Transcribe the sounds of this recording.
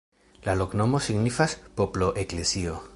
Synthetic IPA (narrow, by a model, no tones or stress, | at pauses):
lalo̞kno̞mo̞siɡnifaspoplo̞ʔeklesio̞